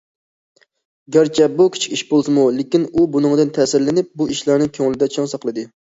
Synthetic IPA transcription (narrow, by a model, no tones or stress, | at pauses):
ɡʲæɾt͡ʃʰɛbukʲʰi̥t͡ʃʰi̥kʲiʃbolˠsɨmulekʲinubunɨŋd̪ɨnt̪ʰɛːsɪɾlɪnɪp̚buiʃlˠæɾnɨŋkʲʰøŋlɪd̪ɛt͡ʃʰɑŋsɑqlˠɨd̪ɨ